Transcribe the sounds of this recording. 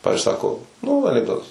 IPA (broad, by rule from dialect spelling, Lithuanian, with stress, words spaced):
ˈpɑːʋʲɪzʲd͡ʒʲʊɪ ˈsɑːkoː nuː ɐnʲɪɡˈdoːtɐs